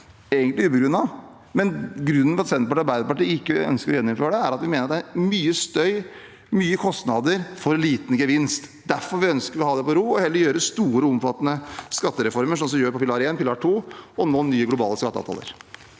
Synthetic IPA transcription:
eːɡənt̪lɪʉːpəɡɾʉnːɑ | mɛnɡɾʉnːənfɔɾɑt̪sɛnpɑʈɑɾbæɪd̪əpɑʈiːɪkːəœ̰nskəɾɔjɛnːʊmføːɾəɖɛæɾɑt̪ʋɪmeːnəɑt̪d̪æɾmyːəst̪œʏ | myːəkʰɔst̪nɑd̪əɾfɔɾliːt̪nəɡəʋɪnst̪ | d̪æɾfɔɾʋɪœnskəɾɔhɑːd̪ɛpɔɾuːɔhɛlːəɾjøːɾəst̪uːɾəʊmfɑt̪ːənəskɑt̪ːəɾɛfɔɾməʂ̬ɔnsɔmjøːɾpʰɔpʰɪlɑːɾeːnpʰɪlɑːʈʰuːɔnoːnyːəɡlʊbɑːləskɑt̪ːəɑ̰ʋt̪ʰɑ̰lə̰ɾ

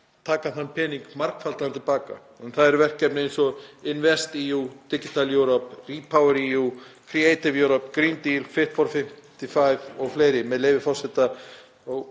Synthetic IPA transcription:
t̪ʰaːkaðhanːpʰɛniŋkmaɾkfalt̪anɾt̪ʰɪlpaːka̰ | ɛnθaðɛɾvɛr̥kcːɛpnɪejnsɔɪnvɛst̪iːut̪ɪcɪt̪ʰaljœwɾɔpriːpʰawɛɾiukʰɾieːjt̪ɪvjœwɾɔpkɾint̪ilfɪht̪fɔɾfɪm̥t̪ifaːjvɔɣfleːjɾɪmɛðleːjvɪfɔ̥sɛt̪a | ɔɣ

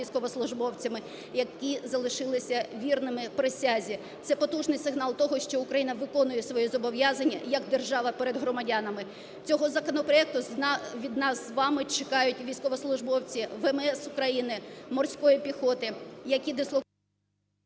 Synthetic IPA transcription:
ijsʲkɔʋɔslˠʊʒbɔwt͡sʲɐmɪ | jɐkizɐlˠɪʃɪlˠɪsʲɐʋʲirnɪmɪpɾesʲazʲi | t̪sɛpɔt̪uʒnɪjsɪɦnɑlˠt̪ɔɦɔʃt͡ʃɔʊkɾɐjinɐʋɪkɔnʊjɛsʋɔjizɔbɔʋʲjɑzɐnʲːɐjɐɡd̪erʒɑʋɐpɛɾed̪ɦɾɔmɐdʲanɐmɪ | t͡sʲɔɦɔzɐkɔnɔpɾɔɛk̚t̪ʊʋʲid̪nɑzʋɑmɪt͡ʃɪkɑjʊtʲʋʲijsʲkɔʋɔslˠʊʒbɔwt͡sʲiʋɛmɛsʊkɾɐjinɪmɔrsʲkɔjipʲixɔt̪ɪjɐkʲid̪ɪslˠɔ

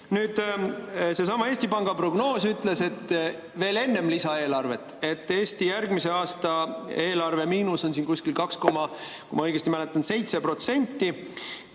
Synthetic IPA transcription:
nyːd̪̥ | se̞sɑmɑe̞ːst̪ipɑŋɡ̥ɑpro̞ɡno̞ːsyt̪ˑle̞se̞t̪ː | ve̞ːle̞nːe̞mlisɑe̞ːlɑrve̞t̪ːˑe̞t̪ːˑe̞ːsʲt̪ijærɡmise̞ɑːst̪ɑe̞ːlɑrve̞miːnuso̞nsiːnkusʲkilkɑksko̞mɑ | kṵjmɑɤjɡ̥est̪imæle̞t̪ːˑɑnse̞jt̪se̞pro̞t̪se̞nʲt̪ːi

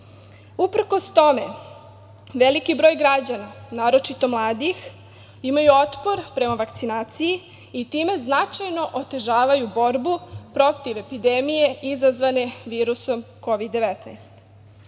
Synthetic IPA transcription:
upr̩ko̞st̪o̞me̞ | ʋelikibɾo̞ːjɡɾad͡ʑananaːɾo̞t͡ʃit̪o̞mlˠaːd̪ix | imajuo̞t̪po̞ɾpɾe̞maʋakt̪sinaːt̪siji | it̪iːme̞znat͡ʃajno̞ʔot̪e̞ʒaːʋajubo̞ɾbupɾo̞t̪iʋe̞pid̪emije̞izazʋane̞ʋiːɾuso̞mko̞ʋid̪ːe̞ʋet̪nast̪

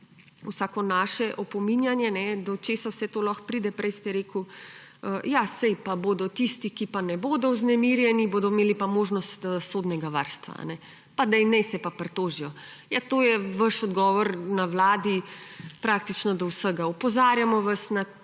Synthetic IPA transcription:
wsaːkɔnaːʃɛʔɔpɔminjanjɛnɛd̪ɔt͡ʃeːsawsɛt̪oːlɔxpɾid̪ɛpɾɛjst̪ɛɾeːku | əjasɛjpaboːd̪ɔt̪ist̪ikipanɛboːd̪ɔuznɛmiɾjɛniboːd̪ɔmeːlipamoːʒnɔst̪ːsoːd̪nɛɡaʋa̰ɾst̪ʋa̰nɛ | pad̪ɛinːɛjsɛpapɾɛt̪oːʒijɔ | jat̪oːjɛʋəʃɔd̪ɡɔʋɔɾnawlaːd̪ipɾak̚t̪it͡ʃnɔd̪ɔwsəɡaupɔzaɾjamɔʋɐsna

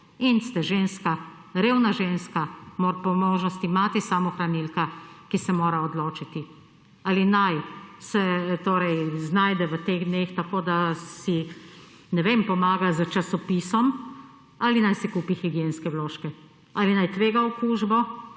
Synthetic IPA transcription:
inst̪ɛʒeːnska | ɾeːwnaʒeːnskamoːɾpɔmoːʒnɔst̪imaːt̪isamɔxɾanilkakisɛmoːɾaɔd̪loːt͡ʃit̪i | aːlinajsɛt̪oːɾɛjznajd̪ɛʋət̪eɣd̪neːxt̪akoːd̪asi | nɛʋempɔmaːɡazət͡ʃasɔpiːsɔm | alinajsɛkuːpixiɡijenskɛwloːʃkɛ | alinajt̪ʋeːɡaɔkuːʒbɔ

